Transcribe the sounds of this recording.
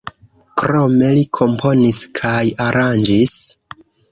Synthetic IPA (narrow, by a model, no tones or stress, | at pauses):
kɾo̞me̞likʰo̞mpʰo̞niskʰajaɾʔand͡ʒis